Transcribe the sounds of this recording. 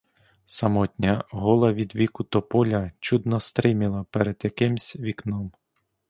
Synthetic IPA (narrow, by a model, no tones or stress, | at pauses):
sɐmɔtʲnʲɐɦɔlˠɐʋʲid̪ʋʲikʊt̪ɔpɔlʲɐt͡ʃud̪nɔst̪ɾɪmɪlˠɐpɛɾɛd̪jɐkɪmsʲʋʲiknɔm